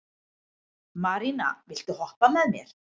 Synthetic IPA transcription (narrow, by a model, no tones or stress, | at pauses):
maɾina̰vɪl̥t̪ʏhɔhpamɛðnɛɾ̥